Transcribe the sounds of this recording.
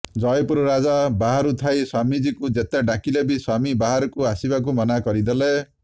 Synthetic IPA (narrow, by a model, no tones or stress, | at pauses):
d͡ʒɔjpuɾɔɾad͡ʒabaɦaɾut̪ʰajswamid͡ʒikud͡ʒet̪aɖakilebiswamibaɦaɾɔkuasibak̬umɔnakɔɾid̪ele